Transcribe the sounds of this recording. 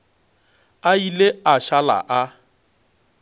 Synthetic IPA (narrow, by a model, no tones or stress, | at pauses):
aileaʃala̰ʔa